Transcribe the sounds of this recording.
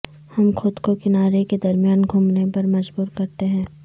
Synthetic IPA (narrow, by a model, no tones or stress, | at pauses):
hɐmxʊd̪kokɪnaːɾeked̪ɐɾmijaːnɡʱʊmnepɐɾmɐd͡ʒbuːɾkɐɾt̪eɦɛ̃ː